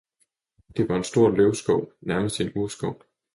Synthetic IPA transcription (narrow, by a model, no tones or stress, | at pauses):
d̥e̝ʋɑ̈e̝nsd̥o̝ɐ̰løʊsɡ̥ɒʊ̰næɐməsd̥enusɡ̥ɒʊ̰